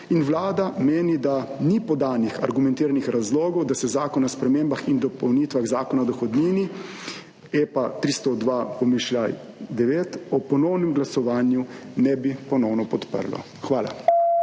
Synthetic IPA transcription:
inʋlaːd̪ameːnid̪anipɔd̪aːnixa̰ɾɡumɛ̃nt̪iːɾanixɾazloːɡɔwd̪asɛzaːkɔnaspɾɛmeːmbaxind̪ɔpɔwniːt̪ʋaɣzaːkɔnaɔd̪ɔxɔd̪niːni | eːpat̪ɾiːst̪ɔd̪ʋaːpɔmiʃlʲaj | d̪ɛʋeːt̪ɔpɔnɔwnɛmɡlasɔʋaːnjunɛbipɔnɔwnɔpɔt̪pə̰ɾlɔ̰ | xʋaːla̰

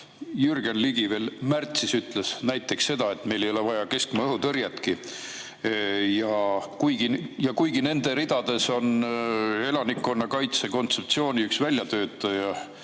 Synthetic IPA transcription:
jyrɡ̥enliɡ̥ive̞ːlmært̪sisyt̪ˑlesnæjt̪ːˑe̞ksːe̞d̪̥ɑe̞t̪ːme̞jle̞jo̞levɑjɑke̞skmɑɤɦut̪ɤɾjɑt̪ki | jɑkujɡijɑkujɡine̞nd̪̥e̞ɾid̪̥ɑd̪̥e̞so̞n | e̞lɑnikːˑo̞nːɑkɑjt̪se̞ko̞nt̪se̞p̚t̪sio̞ːnʲiyksvælʲjɑt̪ø̞ːt̪ːˑɑjɑ

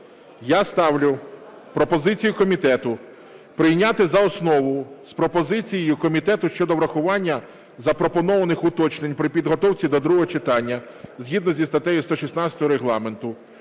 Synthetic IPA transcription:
jast̪ɑwlʲʊ | pɾɔpɔzɪt͡sʲijʊkɔmʲit̪ɛt̪ʊ | pɾɪjnʲat̪ɪzɐɔsnɔʋʊspɾɔpɔzɪt͡sʲijɪjʊkɔmʲit̪ɛt̪ʊʃt͡ʃɔd̪ɔʋɾɐxʊʋɑnʲːɐ | zɐpɾɔpɔnɔʋɐnɪxʊt̪ɔt͡ʃnenʲpɾɪpʲid̪ɦɔt̪ɔwt͡sʲid̪ɔd̪ɾuɦɔɦɔt͡ʃɪt̪ɑnʲːɐ | zɦʲid̪nɔzʲist̪ɐt̪ɛjʊst̪ɔʃisnɑt͡sʲɐt̪ɔɦɔɾeɦlˠɑme̞nt̪ʊ

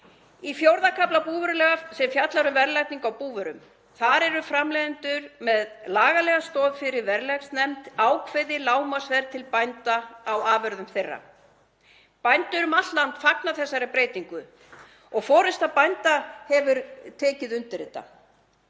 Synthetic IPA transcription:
ifjowɾðakʰaplapuːvʏɾʏlɛɣasɛmfjat̪laɾʏvɛɾlajt̪niŋkawpuːvʏɾʏ̰m | θaɾɛɾʏfɾamlɛðɪnt̪ʏɾmɛðlaːɣalɛɣast̪ɔːðfɪɾɪɾvɛɾlɛksnɛmt̪aːwkʰvɪðɪlaːwmasvɛɾt̪ʰɪlpajnt̪aːwaːvœɾðʏmθejrːa̰ | pajnt̪ʏɾʏmat̪t̪lant̪faknaθɛsːaɾɪpɾeːjt̪iŋkʏ | ɔɣfɔːɾʏst̪aðpajnt̪ahɛvʏɾt̪ʰɛːcɪðʏnt̪ɪɾɪt̪ːa̰

